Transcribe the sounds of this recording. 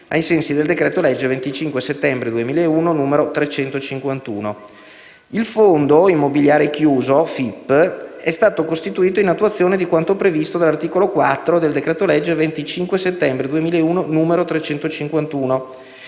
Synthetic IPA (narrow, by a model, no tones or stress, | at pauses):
ajsɛnsid̪eld̪ekɾɛːt̪olɛd͡ʒːvent̪it͡ʃiŋkweset̪ːɛmbɾed̪uemiːleeuːnonuːmeɾot̪ɾet͡ʃɛnt̪ot͡ʃiŋkwant̪ṵːno | ilfond̪oimːobiljaːɾek̟juːzofipːɛst̪aːt̪okost̪it̪uiːt̪oinat̪ːuat̪sːjoːned̪ikwant̪opɾevist̪od̪alːart̪iːkolokwat̪ːɾod̪eld̪ekɾɛːt̪olɛd͡ʒːvent̪it͡ʃiŋkweset̪ːɛmbɾed̪uemiːleeuːnonuːmeɾot̪ɾet͡ʃɛnt̪ot͡ʃiŋkwant̪uːno